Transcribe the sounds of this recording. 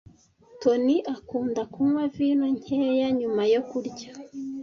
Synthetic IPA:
toniʔakuːndakumwaviːnoɲ̥heːjaɲumajo̞kuɾɟḁ

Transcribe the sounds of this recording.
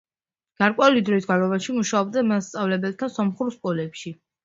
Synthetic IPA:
ɡ̥aɾkʼwɛulid̪ɾɔisɡaɾɔvaʃimuʃaɔb̚d̪amast̪sʼavlɛbɛlˠt̪ʰasɔmχuɾskʼɔlɛpʃi

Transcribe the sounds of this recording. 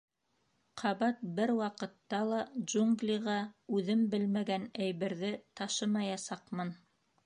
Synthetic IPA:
qʰɑβɑt̪̚bɘɾwɑqɤ̆t̪ːɑlˠɑʒuŋɡlʲiʁɑʉðɘmbɘlmæɡænæjβɘ̆ɾðɘt̪ɑʃɤmɑjɑsɑqmɤn

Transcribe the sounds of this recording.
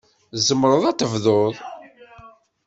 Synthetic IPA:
zəmːɾˤəðˤæt̪ːəvðoðˤ

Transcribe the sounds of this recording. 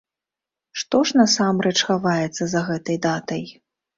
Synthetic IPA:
ʂt̪ɔʂnɐsamɾɛt͡ʂxavajɛt̪sːɐzɐɣɛt̪ɐjd̪at̪ɐj

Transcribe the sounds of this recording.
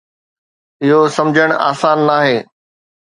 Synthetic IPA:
ɪɦosɐmd͡ʑʱəɽ̃a̰ːsaːnːaːɦeː

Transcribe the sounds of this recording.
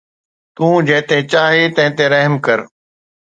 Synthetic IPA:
t̪ũːd͡ʑɐ̃ɦɪ̃t̪ẽt͡ɕaːɦet̪ɐ̃ɦɪ̃t̪eɾəɦmkəɾ

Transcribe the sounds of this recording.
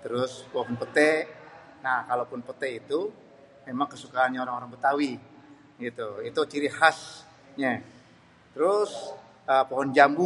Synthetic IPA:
t̪əɾʊspɔɦɔnpət̪ɛ | nahkalopʊnpət̪ɛit̪u | memaŋkəsukaanɲaoɾaŋoɾaŋbət̪awi | ɡit̪uit̪ut͡ʃiɾihas | ɲa | t̪əɾʊs | əpɔɦɔnd͡ʒambu

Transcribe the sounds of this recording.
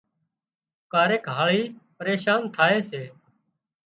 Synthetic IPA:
kaːɾeːkɦaːɭiːpəɾeːʃaːnt̪ʰaːeːseː

